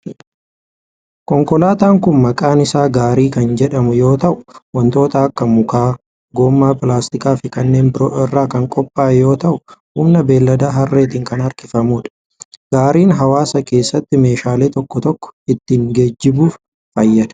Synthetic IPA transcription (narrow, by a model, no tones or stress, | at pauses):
kɔŋkɔlaːt̪aːŋkʊnmɐkʼaːnɪsaːɡaːɾiːkɐnd͡ʒɛᶑɐmʊjo̞ːt̪ɐʔʊ̥wɐnt̪o̞ːt̪ɐɐkːɐmʊkaː | ɡo̞ːmːaːpɪlaːst̪ɪkʼaːfɪkɐnːe̞ːmbɪɾo̰ːʔɪrːaːkɐŋkʼɔpʼːaːjo̞ːt̪ɐʔʊhuːmnɐbe̞ːlːɐd̪aːɦɐrːeːt̪ɪːŋkɐnɐɾkɪfɐmuːᶑɐ̥ | ɡ̥aːɾiːnɦɐwaːsɐke̞ːsːɐt̪ːɪme̞ːʃaːle̞ːt̪ɔkːɔt̪ɔkːɔ̥ɪt̪ːɪŋɡed͡ʒːɪbuːf | fɐjːɐd̪̥ɐ̥